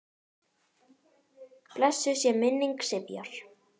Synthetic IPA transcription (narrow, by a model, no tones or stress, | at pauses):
plɛsːʏsjɛmɪnːiŋksɪpjɔ̰ɾ̥